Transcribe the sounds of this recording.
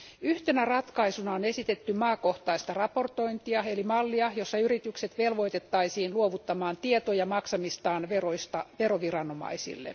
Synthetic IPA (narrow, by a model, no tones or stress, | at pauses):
yht̪enærɑt̪kɑisunɑone̞sit̪et̪ːymɑːko̞ht̪ɑist̪ɑrɑpo̞rt̪o̞int̪iɑelimɑlːiɑjo̞sːɑyɾit̪ykset̪ʋelʋo̞it̪et̪ːɑisiːnluoʋut̪ːɑmɑːnt̪iet̪ojɑmɑksɑmist̪ɑːnʋeroist̪ɑʋeɾoʋirɑno̞mɑ̰isḭlːḛ